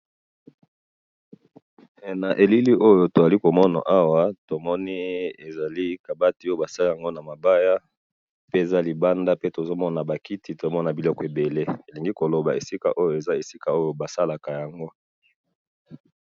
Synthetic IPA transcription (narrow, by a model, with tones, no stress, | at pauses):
na˨ʔe˨li˦li˦ʔo˦jo˨to˨a˨li˦ko˨mɔ˦na̰˨ʔa˦wa˦to˨mɔ˦ni˦e˨za˨li˦ka˨ba˦ti˨o˦o˨ba˨sa˦li˦ja˨ŋɡo˦na˨ma˨ba˦ja˦ | pe˦e˨za˦li˨ba˦nda˦pe˦to˨zo˦mɔ˦na˨ba˨ki˦ti˨to˨o˦mɔ˦na˨bi˨lɔ˦kɔ˨e˨be˨le˦e˨li˨ŋɡi˦ko˨lo˨ba˨e˨si˦ka̰˨ʔo˦jo˨e˨za˦e˨si˦ka˨o˦jo˨ba˨sa˦la˨ka˨ja˨ŋɡo˦